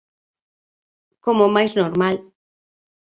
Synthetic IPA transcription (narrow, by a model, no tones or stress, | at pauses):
komomajznoɾmal